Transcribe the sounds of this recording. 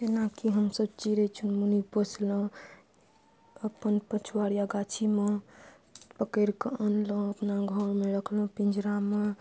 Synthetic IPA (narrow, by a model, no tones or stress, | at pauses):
tenakiɦəmsəbt͡ʃiɾet͡ʃʰunmunipəsʰlə̃ | əpənpət͡ʃʰuwaɾjaɡat͡ʃʰime | pəkəɾkəənlə̃əpnaɡʱəɾmeɾəkʰlõpind͡ʒɾame